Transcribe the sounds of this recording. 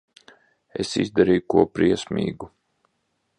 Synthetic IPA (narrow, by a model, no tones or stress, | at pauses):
ḛsḭzd̪aɾiːjukuɔpɾiɛsmʲḭːɡu